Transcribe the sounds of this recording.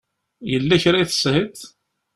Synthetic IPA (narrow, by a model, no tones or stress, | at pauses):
jəlːæçɾaθə̥shət̪